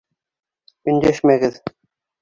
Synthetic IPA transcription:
ɵ̆nd̪æʃmæɡɘð

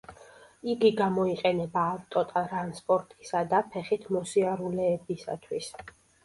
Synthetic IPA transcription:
iɡiɡamɔiqʼɛnɛbaːvt̪ʼɔt̪ʼaɾanspʼɔɾt̪ʼi̥sad̪apʰɛχit̪ʰmɔsiaɾulɛːbisa̰t̪ʰwis

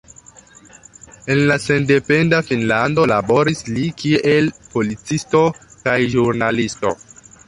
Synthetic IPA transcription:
e̞nlase̞nde̞pe̞ndafinlando̞labo̞ɾislikie̞lpo̞lit͡sisto̞kajʒuɾnalisto̞̰

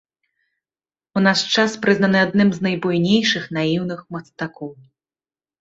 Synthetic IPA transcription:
unast͡ʂaspɾɨznɐnɨad̪nɨmznɐjbujnʲejʂɨxnajiwn̪ɨxmɐst̪akɔw

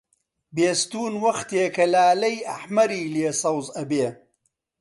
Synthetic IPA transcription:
beːst̪uːnwɐxt̪eːkɐlaːlɐjɐħmɐɾiːleːsɐwzɐbeː

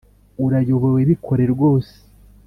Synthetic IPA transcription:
uɾajo̞βoweβikʰo̞ɾe̞ɾɡʷo̞ːse̥

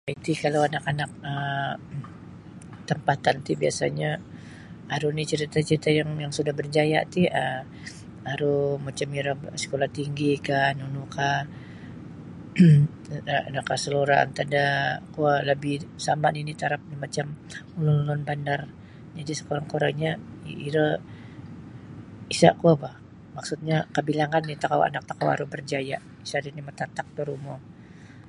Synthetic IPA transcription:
ait̪ikalawanakanak̚ə | t̪əmpat̪ant̪ibiasa̰ɲa | aɾunit͡ʃəɾit̪at͡ʃəɾit̪ajaŋjaŋsudahbərd͡ʒaja̰ʔt̪iə | aɾumat͡ʃamiɾasə̥kolaht̪iŋɡikanunuka | nakasəloɾaa̰nt̪adakualəbɪhsamaninit̪aɾap̚nimat͡ʃam | ulʊnulʊnbandar | d͡ʒadisə̥koɾaŋkoɾa̰ŋɲaḭiɾə | isa̰kuabah | maksut̪̚ɲakabilaŋanːit̪akawa̰nak̚t̪akawa̰ɾubərd͡ʒaja | isadinimat̪at̪ak̚t̪oɾumo

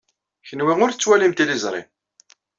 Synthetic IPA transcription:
çənwiʁʊɾθət͡sːwælimt̪ilizˤɾˤḭm

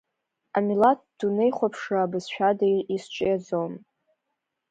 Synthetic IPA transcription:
amilat̚ʰd̥unejχʷapʰʂaːbɨsʃᶣadaʔist͡ʃʷʼɪjad͡zom

